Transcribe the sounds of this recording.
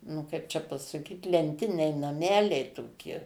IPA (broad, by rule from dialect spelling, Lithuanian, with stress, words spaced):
nʊ ˈkɐɪp t͡ʃʲɛ pɐsɐˈkʲiːt lʲɛnʲˈtʲɪnʲɛɪ nɐˈmʲæːlʲɛɪ toːˈkʲɪ